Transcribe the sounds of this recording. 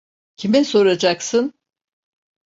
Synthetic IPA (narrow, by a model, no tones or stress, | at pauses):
cʰimiso̞ɾad͡ʒaksɯn